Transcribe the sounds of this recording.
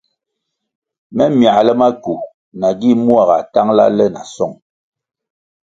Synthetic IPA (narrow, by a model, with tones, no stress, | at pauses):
mɛ˦mja˨lɛ˦ma˦ku˨ | na˨ɡi˦mu˦a˦˨ɣa̰˨ta˦ŋla̰˦lɛ˦na̰˨sɔ˦˨ŋ